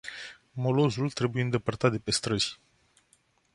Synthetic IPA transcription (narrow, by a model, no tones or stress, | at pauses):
mo̞lo̞zult̪ɾe̞bujeɨnd̪e̞pərt̪at̪̚d̪e̞pe̞st̪ɾəz̥ʲ